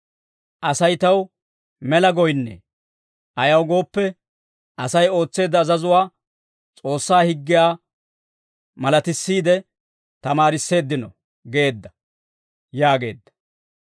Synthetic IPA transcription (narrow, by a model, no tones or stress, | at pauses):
ʔɐsɐjt̪ɐw | mɛlɐɡɔjnːɛ̰ | ʔɐjɐwɡo̞ːpːɛ | ʔɐsɐjo̞ːt͡sːe̞ːd̪ːɐːzɐzʊwaː | t͡sʼo̞ːsːaːhɪɡːɪjaː | mɐlɐt̪ɪsːiːd̪ɛ | t̪ɐmaːɾɪsːe̞ːd̪ːɪnɔ̰ | ɡe̞ːd̪ːɐ | jaːɡe̞̰ːd̪ːɐ̥